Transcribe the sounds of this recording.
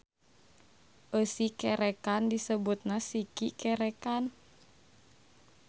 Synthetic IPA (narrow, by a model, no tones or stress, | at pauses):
ʔəsikɛɾɛkandisəbut̪̚nasikikɛɾɛkan